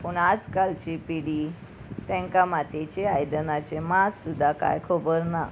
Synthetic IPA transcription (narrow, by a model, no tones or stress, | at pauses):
pəɳad͡zkalt͡ɕipiɽi | t̪ɛ̃ŋkamat̪et͡ɕeajd̪ənat͡ɕemat͡ssud̪ʱːaka̰jkʰobəɾna